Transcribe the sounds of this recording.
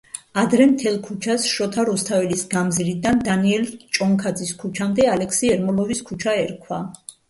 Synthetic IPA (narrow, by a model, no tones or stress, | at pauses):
ad̪ɾɛmt̪ʰɛlˠkʰut͡ʃʰasʃɔt̪ʰaɾɔst̪ʰavɛlisɡamziɾid̪and̪aniɛlt͡ʃʼɔŋkʰad̪ziskʰut͡ʃʰamd̪ɛalɛkʰsiɛɾmɔlˠɔviskʰut͡ʃʰaɛɾkʰwa